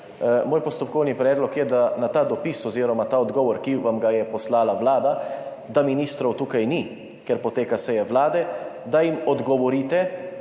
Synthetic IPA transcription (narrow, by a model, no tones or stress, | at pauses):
moːjpɔst̪ɔpkɔwnipɾɛːd̪lɔkjɛd̪anat̪aːd̪ɔpisɔziːɾɔmat̪aːɔd̪ɡɔːʋɔɾkiʋamɡajɛpɔslaːlaʋlaːd̪a | d̪aminist̪ɾɔwt̪uːkajni | kɛɾpɔt̪eːkasɛjɛʋlaːd̪ɛd̪ajimɔd̪ɡɔʋɔɾiːt̪ɛ